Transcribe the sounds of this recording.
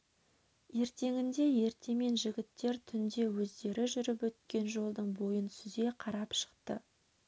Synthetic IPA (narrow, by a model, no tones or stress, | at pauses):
je̞ɾt̪e̞ŋɪnd̪e̞je̞ɾt̪e̞me̞nʒɪɡʲɪt̪ːe̞ɾt̪ʰʏnd̪e̞wɵzd̪e̞ɾɪʒʏɾɪpwɵt̪̚kʲe̞nʒo̞lˠd̪əɴbo̞jənsʏze̞qʰɑɾɑpʃə̥qt̪ə